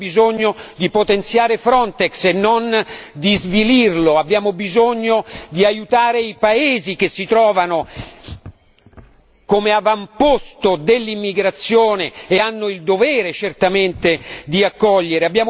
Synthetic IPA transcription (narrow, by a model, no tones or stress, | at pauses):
bizoɲːod̪ipot̪ent̪sjaːɾefɾɔnt̪ɛksenːond̪izvilirloabːjaːmobizoɲːod̪iajut̪aːɾeipaeːzik̟esːit̪ɾɔːvano | komeavampost̪od̪elːimːiɡɾat̪sːjoːneːanːoild̪ovɛːɾet͡ʃert̪ament̪ed̪iakːɔʎːeɾeabːjaːm